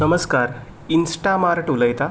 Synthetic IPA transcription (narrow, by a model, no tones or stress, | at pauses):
nəməskaɾ | insʈamaɾʈuləjt̪a